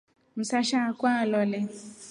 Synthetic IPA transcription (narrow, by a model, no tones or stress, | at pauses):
m̩saʃakʷalɔle